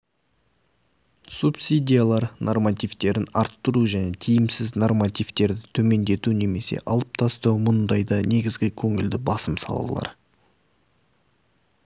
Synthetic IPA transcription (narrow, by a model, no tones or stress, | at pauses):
supsʲid̪ʲijalˠɑɾnʔo̞rmɑt̪ijvt̪e̞ɾɪnɑɾt̪ːʊɾuʒæne̞t̪ʰijɪmsɪzno̞rmɑt̪ijvt̪e̞ɾd̪ɪt̪ʰɵme̞nd̪e̞t̪une̞me̞se̞̰ʔɑlˠəp̚t̪ʰɑst̪ɑwmʊnd̪ɑjd̪ɑne̞ɡʲɪzɡʲɪkʲʰɵŋɪld̪ɪbɑsəmsɑ̰lˠɑ̰lˠɑ̰ɾ